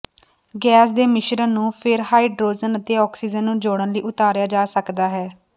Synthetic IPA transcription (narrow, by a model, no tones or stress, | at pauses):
ɡɛːs̬d̪eːmɪʃɾənnũːpʰɪɾhaːiːɖɾoːzənət̪eːɔːksiːd͡ʒənːũːd͡ʒoːɽənləiːʔʊt̪aːɾjaːd͡ʒaːsəkd̪aːɦɛː